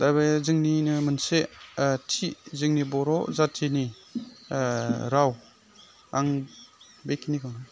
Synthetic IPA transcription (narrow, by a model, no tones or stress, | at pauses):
dabazɯŋninɯmɯnsetʰizɯŋnibɔɾɔzatʰini | ɾaw | aŋ | bekinikʰaŋa